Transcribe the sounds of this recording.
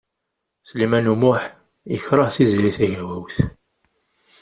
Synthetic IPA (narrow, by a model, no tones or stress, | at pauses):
slimænumʊħ | jəçɾˤəʁθizɾiθæʝæwæwθ